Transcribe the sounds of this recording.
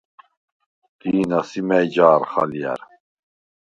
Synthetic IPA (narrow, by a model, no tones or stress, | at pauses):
d̪̥iːnɑsimɛjd͡ʒaːɾχa̰lijɛ̰ɾ